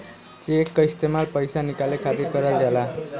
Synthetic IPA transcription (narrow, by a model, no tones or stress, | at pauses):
t͡ʃekːist̪emalpʌjsanikalekʰaɾikʌɾʌld̪ʱjala